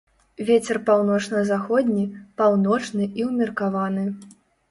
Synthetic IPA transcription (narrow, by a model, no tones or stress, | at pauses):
vʲet͡sʲɛrpawn̪ɔt͡ʂnɐzaxɔd̪ʲnʲipawnɔt͡ʂnɨʔiwmʲirkavanɨ